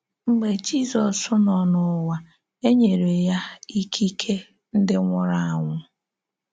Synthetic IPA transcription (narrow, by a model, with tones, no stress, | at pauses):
ŋ͡m̩˦ɡ͡be˨d͡ʒi˦zɔ˨sʊ˦nɔ˨nʊ˦wa˨ | e˦ɲe˨ɾe˨ja˦i˦kʰi˦kʰe˦ | n̩˦dɪ˦ŋʷʊ˦ɾa˦a˨ŋʷʊ˦